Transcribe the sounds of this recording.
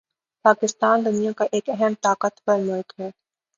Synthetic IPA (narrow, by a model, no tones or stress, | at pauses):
paːkɪst̪aːnd̪ʊnijakaʔeːkɛɦɛmt̪aːqət̪pɐɾmʊlkɦɛː